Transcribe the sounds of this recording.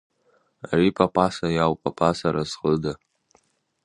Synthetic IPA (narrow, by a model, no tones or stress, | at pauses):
aripʼapʰʼasajawpʼapʰʼasaɾazqəda